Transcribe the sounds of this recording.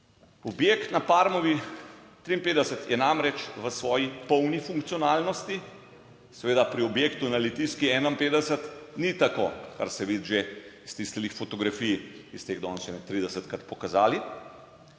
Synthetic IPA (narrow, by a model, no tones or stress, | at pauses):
ɔbjeːkt̪napaɾmɔʋit̪ɾiːmpeːd̪ɛsət̪jɛnamɾɛt͡ʃʋəsʋɔːjipɔwnifuŋkt̪sijonaːlnɔst̪i | sɛʋeːd̪apɾiɔbjeːkt̪unalit̪iskiɛːnaimpeːd̪ɛsət̪nit̪ako̰ka̰ɾsɛʋiːd̪ʒeist̪ist̪ilixfot̪ɔɡɾafijist̪eːɣd̪ɔnsɛmɛt̪ːɾiːd̪ɛsət̪kɾat̪̚pɔkazaːli